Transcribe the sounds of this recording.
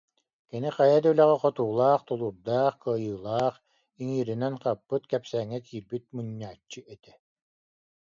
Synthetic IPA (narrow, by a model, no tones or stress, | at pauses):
kiniqajad̪œlɛʁɛqɔt̪uːlˠaːχt̪ɔlˠuɾd̪aːχkɯɐjɯːlˠaːχ | iŋiːɾinɛnqapːɯt̪kɛpsɛːŋːɛkʰiːɾbit̪̚muɲːaːt͡ɕːɯʔɛt̪ɛ